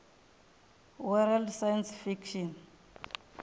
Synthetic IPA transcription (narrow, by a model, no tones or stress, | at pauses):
waɾaldsajansfikʃɔn